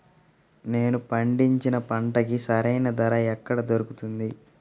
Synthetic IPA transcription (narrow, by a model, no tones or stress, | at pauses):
ne̞ːnupɐɳɖiɲt͡ʃinɐpɐɳʈɐkisɐɾɐjnɐd̪ɐɾɐɛkːɐɽɐd̪oɾukut̪und̪i